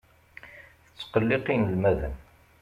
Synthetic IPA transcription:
θət͡sːqəlːɪqinlmæðə̰n

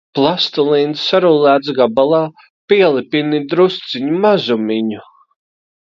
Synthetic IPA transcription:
plˠast̪ulˠiːnsːaɾulˠæːt̪sɡabalˠɑː | piɛlˠipinid̪ɾust̪siɲumazumiɲu

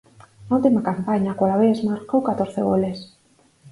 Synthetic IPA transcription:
nault̪imakampaɲakalaβesmaɾkowkat̪oɾθeɣoles

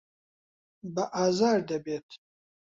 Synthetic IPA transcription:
bɐʔaːzaːɾd̪ɐbet̪ʰ

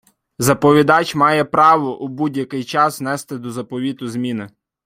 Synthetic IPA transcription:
zɐpɔʋʲid̪ɑt͡ʃʲmɑjɛpɾɑʋɔʔubudʲjɐkɪjt͡ʃɑsnɛst̪ɪd̪ɔzɐpɔʋʲit̪ʊzmʲinɪ

